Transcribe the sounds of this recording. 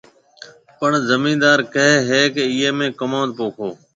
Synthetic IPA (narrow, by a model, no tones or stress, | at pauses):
pəɳzəmĩːnd̪aːɾkəɦɦeːkeɪːeːmẽːkəmãːd̪̚poːkʰoː